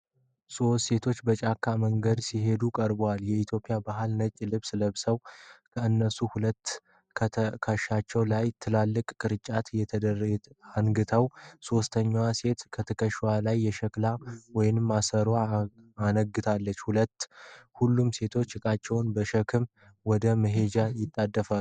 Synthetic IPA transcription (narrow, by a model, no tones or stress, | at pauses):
so̞ːe̞t̪ʰo̞t͡ʃːbət͡ʃʼakʰːaməŋɡəd̪siɦe̞d̪ukʼəɾbwaljɛit̪ʰjo̞pʼijabaɦɨlnət͡ʃʼːilɨβsləβsəwkʰəɨnːəsuhulət̪ː | k̪ʰkʰəʃːat͡ʃːɛwlajt̪ʰɨlalːɨkʼkʼɨɾɨt͡ʃʼːat̪jɛt̪ʰəd̪əraŋɡɨt̪ʰəwso̞st̪ʰəɲːwase̞t̪kʰət̪ʰəkʰəʃwalajːɛʃəklawɔjɪnɨmːasəɾa | anəɡːɨt̪ʰalːət͡ʃːhulət̪ːhulːumse̞t̪ʰo̞t͡ʃːkʼat͡ʃːɛwnbəʃəkʰɨm | wɔd̪əməɦe̞d͡ʒajɪt̪ʼːad̪ːəfa